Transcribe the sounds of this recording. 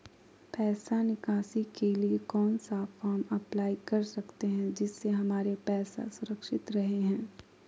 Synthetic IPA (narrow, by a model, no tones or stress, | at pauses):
pɛːsanɪkaːsikeliekɔːnsafaːmɐplaːikɐɾsɐkt̪eɦɛ̃d͡ʒɪsːeɦɐmaːɾepɛːsa̰sʊɾəkʃɪt̪ɾɐɦeɦɛ̃ː